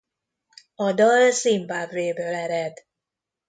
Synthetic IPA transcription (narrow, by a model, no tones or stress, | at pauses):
ɒd̪ɒlsimbaːbveːbøːlɛɾɛd̪